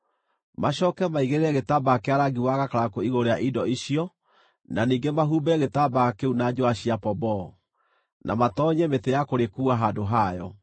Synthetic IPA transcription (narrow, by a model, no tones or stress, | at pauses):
maɕɔkɛmaiɣeɾeɾɛɣetabakeaɾaɡiwaɣakaɾakoiɣoɾeaʔidɔiɕiɔ | naniːŋɡemaɦuːbɛɛɣetabakeunad͡ʑoaɕiapɔbɔ | nʔa̰matɔɲɛmetejakoɾekuaɦadoɦaːjɔ